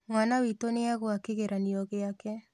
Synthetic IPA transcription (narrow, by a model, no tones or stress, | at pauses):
ŋanawitoneaɣoakeɣeɾʔaniɔɣeakɛ